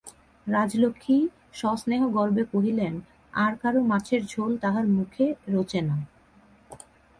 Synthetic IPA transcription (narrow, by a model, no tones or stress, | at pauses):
ɾad͡ʑlokʰːi | ʃɔsneɦoɡɔɾbekoɦilen | aɾkaɾomat͡ɕʰeɾd͡ʑʱolt̪aɦaɾmukʰeɾot͡ɕena